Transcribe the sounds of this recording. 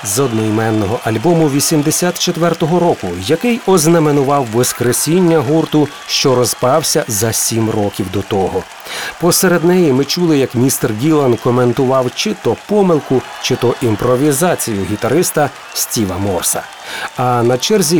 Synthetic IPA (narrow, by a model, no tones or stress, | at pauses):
zɔd̪nɔjmɛnːɔɦɔʔɐlʲbɔmʊʋʲisʲimd̪esʲat̪t͡ʃet̪ʋɛrt̪ɔɦɔɾɔkʊjɐkɪjɔznɐmenʊʋɑwːɔskɾesʲinʲːɐɦurt̪ʊ | ʃt͡ʃɔɾɔzpɑwsʲɐzɐsʲimrɔkʲiwd̪ɔt̪ɔɦɔ | pɔseɾe̞d̪nɛjimɪt͡ʃulˠɪjɐkmʲist̪ɛrɡʲilˠɐnkɔment̪ʊʋɑwt͡ʃɪt̪ɔpɔmɪlˠkʊ | t͡ʃɪt̪ɔʔimpɾɔʋʲizɑt͡sʲijʊɦʲit̪ɐɾɪst̪ɐ | sʲtʲiʋɐmɔrsɐ | ɐnɐt͡ʃɛrzʲi